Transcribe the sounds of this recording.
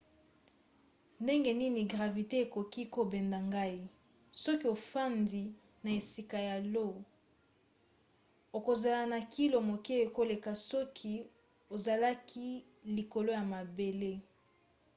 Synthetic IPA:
nde˦ŋɡe˨ni˦ni˨ɡʁa˨vi˨te˦e˨ko˨ki˦ko˨bɛ˨nda˨ŋɡa˦i˦ | sɔ˦ki˦o˨fa˦ndi˨ | na˨e˨si˨ka˨ja˨lo˦˨ | o˨ko˨za˨la˨na˨ki˦lo˨mo˨ke˦e˨ko˦le˨ka˨sɔ˦kʰi˦ | o˨za˨la˦kʰi˦ | li˨ko˨lo˦ja˨ma˨be˨le˦

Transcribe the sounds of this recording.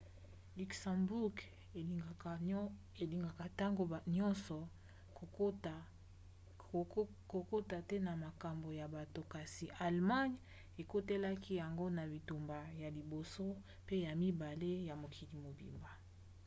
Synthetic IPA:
ly˨ksa˨mbu˦ɡ | e˨li˨ŋɡa˨ka˨ta˦ŋɡo˨ɲɔ˦nsɔ˨˦ | t | ko˨ko˦ta˨tɛ˦na˨ma˨ka˨mbo˨ja˨ba˨to˨ka˨si˨ʔa˨lma˦ɲ | e˨ko˦te˦la˦kʰi˦ja˨ŋɡo˦na˨bi˨tu˨mba˨ja˨li˨bo˨so˦ | pe˦ja˨mi˦ba˨le˦ja˨mo˨kʰi˨li˨mo˨bḭ˨mba˨

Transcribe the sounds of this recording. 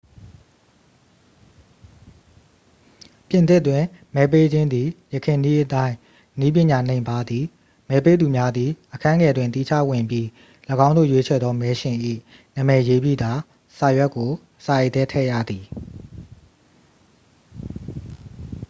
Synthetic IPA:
pjɪ̃˨nt̪ɪ˦˨twɪ̃˨mɛ˨˦p̬e˦d͡ʑɪ̃˦nd̪i˨jəkʰɪ̃˨ni˦ʔətã˦ɪ̃ | ni˦p̬jɪ̃˨ɲa˨nẽ˨ɪ̃mba˦d̪i˨ | mɛ˦pe˦d̪u˨mja˦d̪ði˨ʔəkʰã˦ŋɛ˨dwɪ̃˨nt̪i˦˨t͡ɕʰä̰˦˨wɪ̃˨mpji˦ | ləɡã˦nd̪o̰˦˨jwe˦t͡ɕʰɛ̰˦˨d̪ðɔ˦mɛ˨˦ʃɪ̃˨ʔḭ˦˨ | nã˦˨mɛ˨je˦bjḭ˦˨d̪a˨ | sa˨jwɛ˦ʔkːo˨ | sa˨jt̪ɛ˦tʰɛ̰˦˨jä̰˦˨d̪i˨

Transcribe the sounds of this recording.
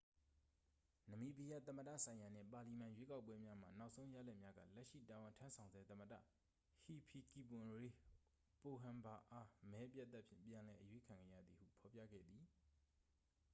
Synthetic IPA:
nə˨mi˨pi˨ja̰˦˨t̪ə˨mə˨dä̰˦˨sʰã˨ɪ̃ja˨n̥ɪ̰̃˦˨pa˨li˨mã˨jwe˦ka˦ʊp̬ːwɛ˦mja˦m̥a˨na˦ʊʔsʰõ˦ʊ̃ja̰˦˨lɛ˦ʔmja˦ɡä̰˦˨lɛ˦ʔʃḭ˦˨ta˨wɪ̃˨ntʰã˦nsʰã˨ʊnzɛ˦t̪ə˨mə˨dä̰˦˨ | hi˨pʰi˨ki˨pʊ̃˨ɹe˨ | po˨ɦã˨mba˨ʔa˦mɛ˦p̬ja˦˨t̪ːa˦ʔpʰjɪ̰̃˦˨mpjã˨lɛ˨ʔəjwe˦kʰã˨ŋɡɛ̰˦˨jä̰˦˨d̪ði˨hṵ˦˨pʰɔ˨pjä̰˦˨ɡɛ̰˦˨d̪ði˨

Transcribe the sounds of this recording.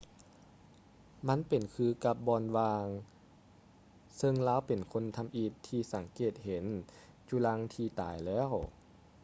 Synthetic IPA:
ma˧˥˨npe˨˩nkʰɯː˧ka˧p̚bɔː˧nwaː˧ŋ | sɤ˧ŋlaː˧˥˨wpe˨˩nkʰo˧˥nt̪ʰa˧mʔiː˧˩tt̪ʰːiː˧sa˨˦ŋkeː˧˩t̪̚he˨˦nt͡ɕuː˧la˧˥ŋt̪ʰiː˧t̪aː˨˩jlɛː˦˥˨w

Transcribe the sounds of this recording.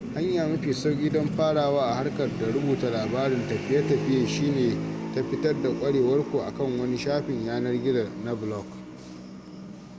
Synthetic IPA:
ha˦ɲjaː˨mɐ˦ɸiː˨sa˦ɡʲiː˦dɔ˦mɸaː˦ɽaː˨waː˦ʔa˨ha˦rkɐ˨rda˨ɽʊ˦buː˨ta˨laː˨baː˦ɾɪ˦˨ntɐ˨ɸɪ˦ja˦tɐ˨ɸɪ˦jaː˨ʃiː˦neː˨ta˦ɸɪ˦tɐ˦rda˨kʷʼɐ˦ɽeː˨wɐ˦rkʷu˨ʔa̰˨kɐ˦˨ŋwɐ˦ni˦ʃaː˦ɸɪ˨ɲjaː˦nɐ˦rɡʲɪ˦zɐ˨rna˦blɔ˦˨k

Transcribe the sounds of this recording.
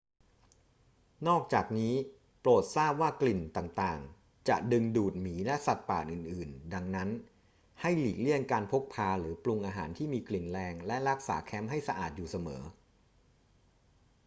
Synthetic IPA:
nɔː˥˩k̚t͡ɕaː˨˩k̚niː˦˥ | ploː˨˩t̪̚saː˥˩p̚waː˥˩kli˨˩nt̪aː˨˩ŋt̪aː˨˩ŋ | t͡ɕa̰˨˩dɯ˧ŋduː˨˩t̪̚miː˩˦lɛ˦˥sa˨˩t̪̚paː˨˩t̪̚ʔɯː˨˩nʔɯː˨˩nda˧ŋna˦˥n | ha˥˩jliː˨˩k̚li˥˩ənkaː˧npʰo˦˥k̚pʰaː˧ɾɯː˩˦plu˧ŋʔaː˧ɦaː˩˦nt̪ʰiː˥˩miː˧kli˨˩nlɛː˧ŋlɛ˦˥ɾa˦˥k̚saː˩˦kʰɛː˦˥mɦa˥˩jsa˧ʔa̰ː˨˩t̪̚juː˨˩sa˧mɤ̰ː˩˦

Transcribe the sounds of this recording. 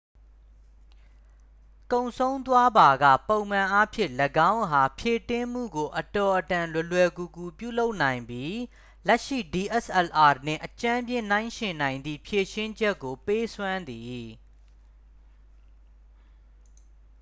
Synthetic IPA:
kõ˨ʊ̃sʰõ˦ʊ̃nt̪wa˦ba˨ɡä̰˦˨põ˨ʊ̃mã˨ʔa˦pʰjɪ̰̃˦˨ləɡã˦ʊ̃ɦa˨pʰje˨tɪ̃˦mm̥ṵ˦˨ɡo˨ʔətɔ˨ʔətã˨lwɛ˨lwɛ˨ɡu˨ku˨pjṵ˦˨lo˦ʊʔnã˨ɪ̃mbji˦ | lɛ˦ʔʃḭ˦˨di˨ʔɛ˦˨sʔɛ˨lʔa˨nɪ̰̃˦˨ʔət͡ɕã˦mbjɪ̃˦˨n̥ã˦ɪ̃ʃɪ̃˨nã˨ɪ̃nd̪ðḭ˦˨pʰje˨ʃɪ̃˦ɲd͡ʑɛ˦kːo˨pe˦sʰwã˦nd̪i˨

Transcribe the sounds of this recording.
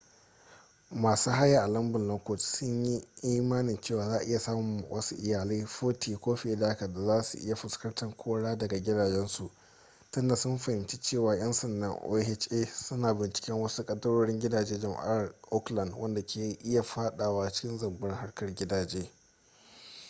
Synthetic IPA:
maː˨suː˦ɦa˦jaː˨ʔa˨lɐ˦mbɪ˨nlɐ˦ko˨t͡ʃsʊ˦ɲji˦ʔiː˦maː˦nɪ˨nt͡ʃeː˦˨waː˨zaː˦˨ʔɪ˦ja˨saː˦mʊ˨m˨wɐ̰˦su˦ʔɪ˨jaː˨liː˦ɸoː˦tʰiː˨kʷoː˦ɸe˨˦daː˦ka˨da˨zaː˦sṵ˨ʔɪ˦ja˨ɸɪ˨skɐ˦ntɐ˨ŋkʷʰoː˦ɽaː˦dɐ˨ɡa˨ɡʲɪ˦daː˨d͡ʒɛ˦nsu˨ʔ | tʊ˦nda˨sʊ˦mɸɐ˨hɪ˨nt͡ʃi̥˦t͡ʃeː˦˨waː˨j̰ɐ˦nsɐ˨ndɐ̰˦ŋʔo̰˦hɛ˦t͡ʃʔeː˦sʊ˦naː˨bɪ˨nt͡ʃɪ̥˦kʲɛ˦ŋwɐ˦su˦kʼɐ˦dɐ˦ɽoː˦ɽɪ˦ŋɡʲɪ˦daː˨d͡ʒeː˦d͡ʒɐ˨ma̰˦a˨rʔɔ˦klɐ˨ndwʔɐ˦nda˨kʲʰeː˨ʔɪ˦ja˨ɸaː˦ɗaː˨waː˦˨t͡ʃɪ̥˦kʲɪ˦nzɐ˨mbʊ˦ɪ˦ŋha˦rkɐ˨rɡʲɪ˦daː˨d͡ʒeː˦

